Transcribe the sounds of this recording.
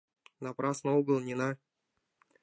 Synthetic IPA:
napɾɑsnəuɡəlˠnʲinɑ

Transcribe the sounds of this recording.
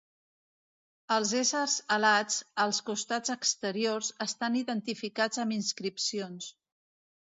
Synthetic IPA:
əlˠzezəɾzəlad͡zəlˠskust̪ad͡zəkst̪əɾiorzəst̪aniðənt̪ifikad͡zəminskɾipsions

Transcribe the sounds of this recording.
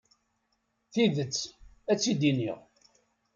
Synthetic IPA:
θiðət͡sː | æt͡sːid̪inḭʁ

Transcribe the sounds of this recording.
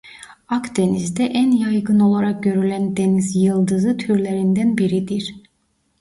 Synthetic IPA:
akd̪enizd̪ɛʔænjajɡɯno̞lˠaɾak̚ɟø̞ɾylʲænd̪e̞nizjɯlˠd̪ɯzɯt̪ʰyɾlʲeɾind̪ænbiɾid̪iɾ̥

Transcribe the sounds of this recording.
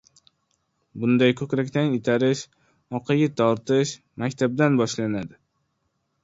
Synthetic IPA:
bʊnd̪ajkʰɵkʲɾakʲt̪anɪt̪ʰaɾɪʃ | ɒqʰɑjʲɪt̪ʰɒɾt̪ɪʃ | makʲt̪ʰab̚d̪anbɒʃlanad̪ɪ

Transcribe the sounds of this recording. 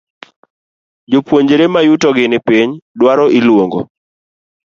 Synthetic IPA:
d͡ʒopwoɲd͡ʒeɾemajutɔɡɪnɪpiɲdwaɾɔʔilwoŋɡo̰

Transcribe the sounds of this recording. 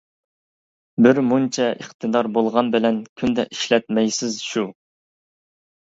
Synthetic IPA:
bɪɾmunt͡ʃʰɛʔəχt̪ʰɨd̪ɑɾbolˠʁɑnbɪlɛnkʲʰynd̪ɛʔiʃlɛt̪̚mɛjsɪzʃu

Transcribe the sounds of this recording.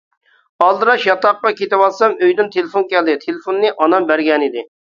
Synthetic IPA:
ɑlˠd̪ɨɾɑʃjɑt̪ɑqːɑkʲet̪ɪwɑlˠsɑmøjd̪ɪnt̪ʰelɪfonkʲɛld̪ɪt̪ʰelɪfonːɨʔɑnɑmbæɾɡʲɛnid̪ɪ

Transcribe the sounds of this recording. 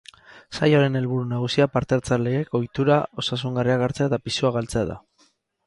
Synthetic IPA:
sajoɾe̞ne̞lβuɾunaɣ̞usiapaɾt̪eɾt͡sale̞ɣe̞ko̞jt̪uɾao̞sasuŋɡariaɣaɾt͡seat̪apisuaɣ̞alt͡se̞aða̰

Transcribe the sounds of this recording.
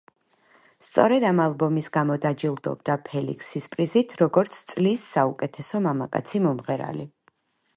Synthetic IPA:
st̪sʼɔ̰ɾɛd̪amalˠbɔmisɡamɔd̪ad͡ʒilˠd̪ɔ̰bd̪apʰɛlḭkʰsispʼɾizit̪ʰɾɔɡɔɾt̪sʰt̪sʼlisːaukʼɛt̪ʰɛsɔmamakʼa̰t̪sʰimɔmʁɛɾa̰li

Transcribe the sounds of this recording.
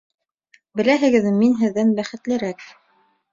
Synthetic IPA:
bɘ̆læɦɘ̆ɡɘ̆ðminɦɘ̆ðːænbæχɘ̆t̪lɘ̆ɾæk

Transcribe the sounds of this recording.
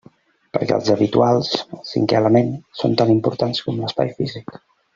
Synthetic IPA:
pəɾkɛ̰əlˠzəβit̪ualˠsəlˠsḭŋkɛələmensont̪animpuɾt̪anskɔmləspa̰jfizik

